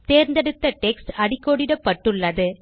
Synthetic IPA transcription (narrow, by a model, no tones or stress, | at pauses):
t̪eːɾnd̪ɐɽɯt̪ːɐʈɛksʈɐɽɪkːoːɽɪɽɐpːɐʈːɯɭːɐðɯ